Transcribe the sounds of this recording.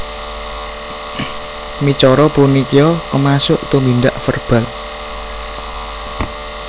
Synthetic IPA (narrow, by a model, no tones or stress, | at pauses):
mit͡ʃɔɾɔpunikijɔkəmasʊʔt̪umind̪aʔfərb̥a̤l